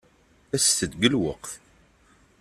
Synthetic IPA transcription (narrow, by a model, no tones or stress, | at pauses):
æsθəd̪ɡəlwəqθ